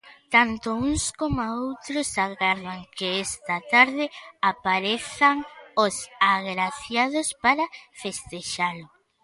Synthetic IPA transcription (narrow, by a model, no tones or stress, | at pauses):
t̪ant̪ʊuŋskomaowt̪ɾʊsaɣaɾðaŋkeest̪ɐt̪aɾðɪapaɾeθaŋosaɣɾaθjað̞ʊspaɾafest̪eʃalʊ